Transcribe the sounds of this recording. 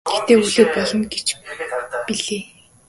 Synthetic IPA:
ɡ̥ext̪eːuɮuːwpɔɮɞ̆nɡet͡ɕ | piɮeː

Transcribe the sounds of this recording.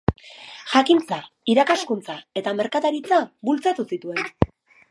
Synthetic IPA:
ʝakint͡sa | iɾakaskunt͡sae̞t̪ame̞ɾkat̪aɾit͡sabult͡sat̪usit̪ue̞n

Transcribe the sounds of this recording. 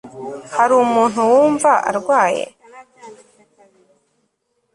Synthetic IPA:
haɾumuːn̥uwuːɱvaʔa̰ɾɡwaːjḛ

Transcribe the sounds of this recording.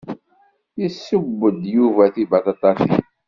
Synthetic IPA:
jisːəbːəd̪juvæθibaθɑt̪ˤɑsḭ

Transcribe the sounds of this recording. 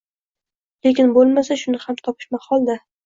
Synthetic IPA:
le̞kʲɪnbolˠmasaʃʊnɪhamt̪ʰɒpʰɪ̥ʃmaχɒlˠd̪a

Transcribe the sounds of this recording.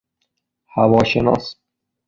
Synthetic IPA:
hævɒːʃenɒ̰ːs

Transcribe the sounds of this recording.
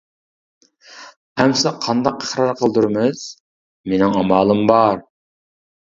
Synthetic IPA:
hæmsɑqʰɑnd̪ɑqəhɾɑɾqʰəlˠd̪uɾmɨz̥ | menɪŋɑmɑːlˠɨmbɑɾ

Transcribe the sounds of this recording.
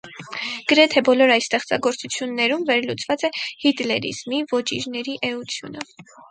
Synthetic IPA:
ɡ̥əɾɛt̪ʰɛbɔlɔɾɑjst̪ɛχt͡sɑ̰ɡɔɾt͡sut͡sʰjunːɛɾumvɛɾlut͡svɑt͡sɛhit̪lɛɾḭz̥mivɔt͡ʃḭɾnɛɾiʔɛut͡sʰjṵnə

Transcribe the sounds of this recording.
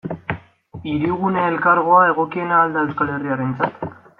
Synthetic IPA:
iɾiɣuneːlkaɾɣ̞o̞ae̞ɣ̞o̞kie̞naːld̪ae̞wskale̞riaɾe̞nt͡sat̪

